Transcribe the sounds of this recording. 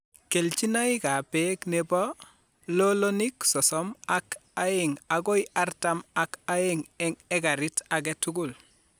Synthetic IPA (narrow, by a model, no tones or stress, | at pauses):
kelt͡ʃinaikapeknebɔ | loloniksɔsɔmakaeŋaɡoiaɾtamakaeŋɛŋɛɡaɾitaɡ̬etuɡul